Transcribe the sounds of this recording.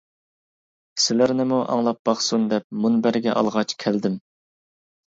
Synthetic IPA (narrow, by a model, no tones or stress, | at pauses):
sɪlæɾnɪmuʔɑ̰ŋlˠɑp̚b̥ɑχsund̪ɛp̚munbæɾɡʲɛʔɑ̰lˠʁɑt͡ʃkʲʰæld̪ɪm